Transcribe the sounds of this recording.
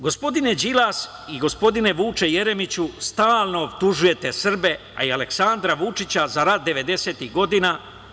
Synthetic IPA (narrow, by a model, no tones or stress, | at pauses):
ɡo̞spo̞d̪ine̞d͡ʑilas | iɡo̞spo̞d̪ine̞ʋuːt͡ʃeje̞ɾe̞mit͡ɕust̪aːlˠno̞obt̪uʒuje̞t̪e̞sr̩be̞ | a̰iale̞ksand̪ɾaʋut͡ʃit͡ɕazaɾat̪̚d̪e̞ʋe̞d̪e̞se̞ːt̪iɦɡo̞d̪ina